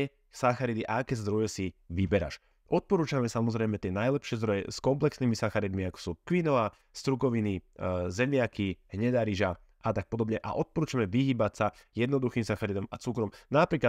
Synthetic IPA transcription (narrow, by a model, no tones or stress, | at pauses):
ɛ | saxaɾid̪iʔa̰akɛzd̪ɾɔjɛsiʋibɛɾa̰ʃ | ʔɔt̪̚pɔɾuːt͡ʃamɛsamɔzɾɛjmɛt̪ɪɛnajlɛpʃɪɛzd̪ɾɔjɛ̰skɔmplɛksniːmisaxaɾid̪miakɔ̥suːkʋinɔʋa | st̪ɾukɔʋinizɛmɪakiɦɲɛd̪aɾiʒa | ʔat̪ak̚pɔd̪ɔbɲɛʔa̰ʔɔt̪̚pɔɾuːt͡ʃamɛʋiɦiːbacsajɛd̪nɔd̪uximsaxaɾid̪ɔmat͡sukɾɔmnapɾiːka